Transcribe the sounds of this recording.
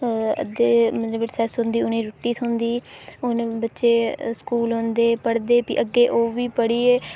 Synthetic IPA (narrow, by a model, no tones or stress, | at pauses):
ə̰d̪eːmət̪ləbɪsɛːsɦʊ̃nd̪iːʊnẽːɾoʈːiːsʰʊ̃nd̪iːʊnbətːʃeːskuːlɦõnd̪eːpəɽd̪eːpḭːʔəɡːeːʔoːʋiːpəɽiːeː